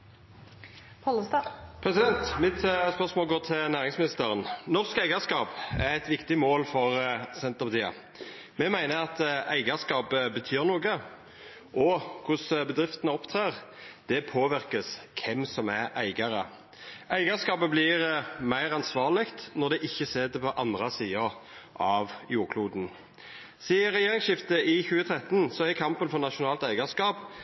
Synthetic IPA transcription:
pʰɔlːəst̪ɑpʰɾɛsɪd̪ɛnt̪mɪt̪spœʁsmoːlɡoːt̪ʰɪlnæːʁɪŋsmɪnɪst̪əɾənnɔʁskæɪɡəskɑːpæʁɛt̪ʋɪkt̪ɪmoːlfɔʁsɛnt̪əʁpɑt̪ʰiːɑ̰ | mɛmæɪnəɾɑt̪æɪɡəskɑːpəbət̪ʰyːʁnuːɡə | ʔɔkʰʊsbəd̪ɾɪft̪ənəɔpt̪ʰʁeːʁd̪̥ɛpʰoːʋɪɾkəskʰɛmsɔmæɾæɪɡɑɾə | ʔæɪɡəskɑːpəblɪɾmæɪɾɑnsʋɑːlɪkt̪nɔɾd̪ɛʔɪçːəseːd̪əpʰɔʔɑnd̪ɾəsiːɑ | ʔɑʋjuːɾkʰluːd̪n̩ | siːəɾːɛjeːɾɪŋsʃɪft̪əɪçʉːət̪ʰɾɛt̪nsɔæɾkʰɑmpənfɔɾnɑʃʊnɑːlt̪æɪɡəskɑːp

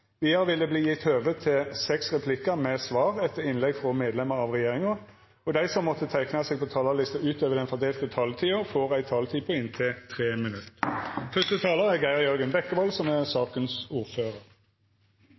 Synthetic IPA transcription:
ʋɪːɑʁʋɪlːəbliːjɪt̪høːʋət̪ʰɪlsɛksʁɛpʰlɪkəmɛsʋɑːʁɛt̪ːəʁɪnlɛɡfʁɔmeːd̪lɛməʁɑʋʁɛjeːʁɪŋə | ɔd̪æɪsɔmːɔt̪ːət̪ʰæɪknɑseːɡ̚pʰɔt̪ʰɑːlɑʁlɪst̪əʉːt̪øːʋəd̪ɛnfɔd̪eːlt̪ət̪ʰɑːlt̪ʰiːʊfoːʁæɪt̪ʰɑːlt̪ʰiːpʰɔɪnt̪ʰɪlt̪ʰʁeːmɪnʉt̪ːfœst̪ət̪ʰɑːləʁæɡæɪəjœɾɡənbɛkːəbɔlsɔmæʁsɑːkənsuːʁføːʁəʁ

